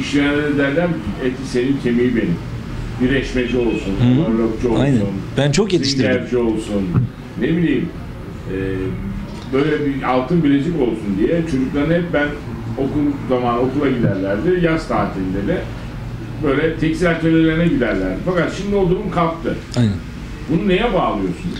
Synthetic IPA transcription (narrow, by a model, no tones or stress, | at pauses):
iʃejanad̪ed̪æɾlʲæɾet̪ʲise̞nincʰemijibenim | biɾɛʃmed͡ʒio̞lˠsunuaɾakt͡ʃuolˠjˠsunbænt͡ʃʰokjet̪iʃæɾpd͡ʒio̞lˠsunː | ebilʲijim | ɛː | bø̞jlʲɛbialˠt̪ʰɯnbilʲed͡ʒiko̞lˠsund̪ijɛt͡ʃʰo̞d͡ʒuklˠaɾɯnhɛp̚bæn | o̞kulˠzamaːno̞kulˠaɟid̪æɾlʲæɾd̪ɪjazt̪ʰaːt̪ʰilʲind̪ed̪ɛ | bø̞jlʲɛt̪ʰɛcsilʲat̪elʲelʲeɾinɛɟid̪æɾlʲæɾd̪ɪfakat̪ʃimd̪iod̪uɾunkʰaft̪ɯ | ajnɛ | bununejɛbaːlˠɯjo̞sun